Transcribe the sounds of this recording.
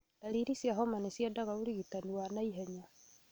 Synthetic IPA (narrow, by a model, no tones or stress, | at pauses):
daɾiɾisjaɦɔmanesjadaɣauɾiɣitaniwanaiɦɛɲa